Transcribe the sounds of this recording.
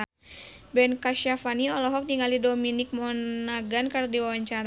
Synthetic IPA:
bɛnkaʃafaniɔlɔɦɔk̚niŋalidominik̚mɔnaɡankardiwawaɲt͡ʃaɾ

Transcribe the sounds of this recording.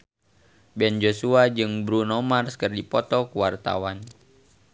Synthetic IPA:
bɛnd͡ʒosuad͡ʒɨŋbɾunɔmarskərdipɔt̪ɔkuwart̪a̰wan

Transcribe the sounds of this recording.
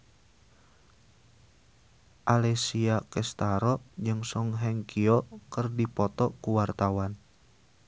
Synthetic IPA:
ʔalɛsiakɛst̪aɾɔd͡ʒɨŋsɔŋɦɛŋkʰiɔkərdipɔt̪ɔkuwart̪awan

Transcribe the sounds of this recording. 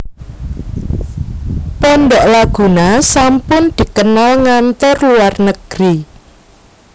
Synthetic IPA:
pɔnɖɔʔlaɡ̥ṳnasampʊnd̪̥i̤kənalŋant̪ɔrluarnəɡ̥ɾi

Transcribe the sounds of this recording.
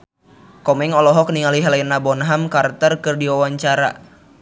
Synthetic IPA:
kɔmɛŋɔlɔɦɔkniŋaliɦalainabɔnɦamkart̪ərkɨrdiwawaɲt͡ʃaɾa̰

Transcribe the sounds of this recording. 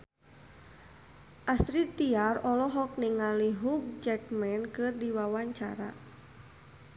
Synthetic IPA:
ʔasɾit̪iarɔlɔɦɔk̚niŋaliɦuɡ̚d͡ʒɛkmɛnkɨrdiwawaɲt͡ʃa̰ɾa̰

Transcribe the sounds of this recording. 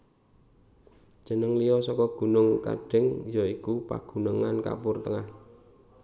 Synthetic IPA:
d̥ʒ̥ə̤nəŋlijɔsɔkɔɡ̥ṳnʊŋka̰ɖ̥ɪ̤ŋjoikupa̰ɡ̥ṳnəŋanka̰pʊrt̪əŋah

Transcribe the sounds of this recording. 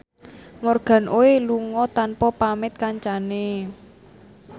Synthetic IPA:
mɔrɡ̥a̤nʔoeluŋɔt̪anpɔpamɪt̪̚kaɲt͡ʃane

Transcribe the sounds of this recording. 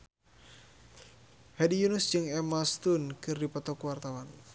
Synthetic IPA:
hɛdijunusd͡ʒɨŋɛmast̪unkɨrdipɔt̪ɔkuwart̪awan

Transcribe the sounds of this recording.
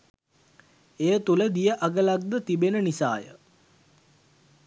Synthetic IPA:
ejət̪uləd̪ijəʔaɡəlaɡ̚d̪ət̪ibenənisa̰ːjə̰

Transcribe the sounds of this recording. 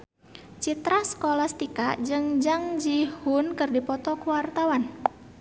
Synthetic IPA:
t͡ʃit̪ɾasə̥kolast̪ikaʔd͡ʒɨŋd͡ʒaŋd͡ʒihunkɨrdipɔt̪ɔkuwart̪awan

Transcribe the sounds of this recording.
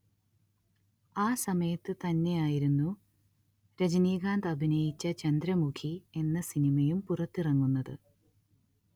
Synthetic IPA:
aːsɐmɐjɐt̪ːɨt̪ɐnːe̞jaːjiɾunːu | ɾɐd͡ʑɐniːɡaːnd̪ɐbʱinɐjit͡ɕːɐt͡ɕɐnd̪ɾɐmukʰie̞nːɐsinimɐjumpurɐt̪ːirɐŋːunːɐðɨ

